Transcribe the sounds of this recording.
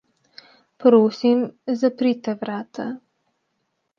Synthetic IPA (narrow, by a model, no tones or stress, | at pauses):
pɾoːsimzapɾit̪ɛʋɾaːt̪ʰa